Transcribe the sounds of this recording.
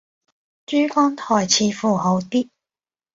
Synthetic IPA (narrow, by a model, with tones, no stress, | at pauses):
t͡ʃyː˥fɔː˥ŋt̪ʰɔː˨˩jt͡sʰiː˨˧fuː˨˩ɦo˨˧˥wt̪iː˥